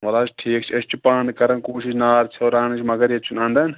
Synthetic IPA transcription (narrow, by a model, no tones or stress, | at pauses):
ʋɐlaːt͡ʃʰʈʰiːkt͡ʃʰɐʃt͡ʃʰupaːnkɐɾɐnkoːʃiʃnaːɾt͡ʃʰɐoɾaːnɨt͡ʃʰmɐɡɐɾjet͡ʃʰunɐnd̪ɐn